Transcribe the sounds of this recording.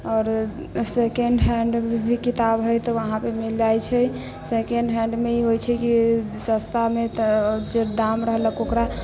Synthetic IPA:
ɔːɾ | sekeɳɖɦɛɳɖbʱikit̪abɦəjt̪ɔəɦãpemild͡ʒajt͡ʃʰɛ | sekeɳɖɦɛ̃ɳɖmeiɦojt͡ʃʰɛkisəst̪ʰamet̪d͡ʒed̪amɾəɦləkokɾa

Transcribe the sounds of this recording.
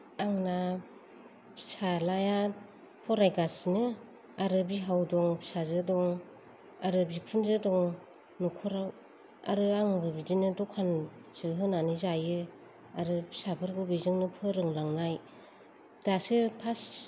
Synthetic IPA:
aŋna | pʰsalaja | pʰɔɾajɡasnɯ | aɾɯbiɦawdɔŋsazɯdɔŋ | aɾɯbikʰunzɯdɔŋ | nukʰɔɾaw | a̰ɾɯaŋbɯbidinɯdɔkʰːanz̥ɯɦɯnanizajɯ | aɾɯpʰsabʰɯɾɡɯbizɯŋnɯpʰɯɾɯŋlaŋnaj | d̥asɯpʰas

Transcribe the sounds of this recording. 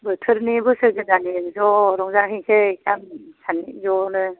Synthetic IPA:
bɯtʰɯɾnibɯsɯɡɯzanizɔɾɔŋzaŋɦeŋsekamsʰanizɔnɯ

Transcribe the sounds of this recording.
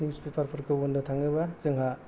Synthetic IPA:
nispipʰaɾpʰɔɾkʰɯwondɐtʰaŋɯbazɯŋɦa

